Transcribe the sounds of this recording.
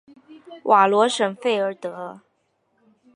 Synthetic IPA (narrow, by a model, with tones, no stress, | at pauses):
wʔa˨˩lwɔ˧˥ʂə˨˩ŋfe˥˩ɪə˞˧˥t̪ɤ˧˥